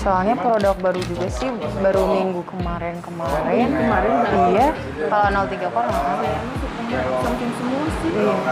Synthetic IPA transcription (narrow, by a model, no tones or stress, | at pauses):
soalɲapɾodak̚baɾud͡ʒuɡasɪhbaɾumiŋɡukəmaɾɛnkəmaɾɛnkəmaɾɛnija | kalanalt̪iɡakoɾaŋaaɾaasutaŋapəŋk̪ɪnsəmuasiija